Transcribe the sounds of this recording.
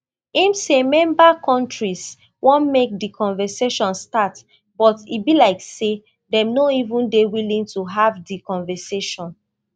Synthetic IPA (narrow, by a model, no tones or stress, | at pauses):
ĩmsemɛ̃mbakɔ̃ntɹis | wɔ̃nmek̚dikʰɔ̃nvɛseʃɔ̃nstat | b̥ɔtibilaɪkse | dɛ̃mnoivũndewilĩŋtuɦavdikɔ̃nvɛseʃɔ̃n